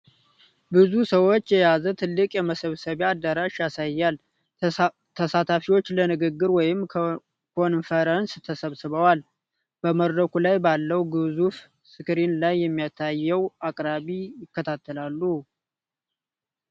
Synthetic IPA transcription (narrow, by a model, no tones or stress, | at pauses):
bɨzusəwo̞t͡ʃːjɛjazət̪ʰɨlːɨkʼjɛməsəβsəβead̪ːəɾaʃjasajːal | t̪ʰəsat̪ʰafiwo̞t͡ʃːlənɨɡɨɡːɨɾwɔjɪm | kʰo̞nfəɾənst̪ʰəsəβsɨβəwal | b̥əməɾəkʰulajbalːəwɡɨzuf | sɨkɨɾinlajːɛmːijat̪ʰajːɛwakʼɾaβijɪkːət̪ʰat̪ʰːəlalːu